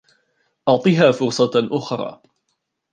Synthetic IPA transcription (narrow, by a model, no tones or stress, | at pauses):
ʔɑʕt̪ˤiːɦaːfʊɾsˤɑʔʊxɾˤɑ̰ː